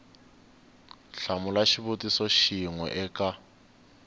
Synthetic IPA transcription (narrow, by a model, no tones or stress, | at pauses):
ɬamʊlaʃiβutisɔʃiŋwɛ̰ʔɛkʼa